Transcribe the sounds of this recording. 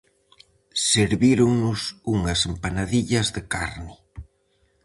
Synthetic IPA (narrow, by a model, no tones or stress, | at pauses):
seɾβiɾoŋnʊsuŋɐsempanaðiʎɐzðɪkaɾnɪ